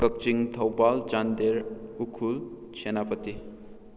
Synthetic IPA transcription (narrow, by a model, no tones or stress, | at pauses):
kək̚t͡ʃiŋt̪ʰʌwpalt͡ʃand̪eɾukʰulsʰenapət̪i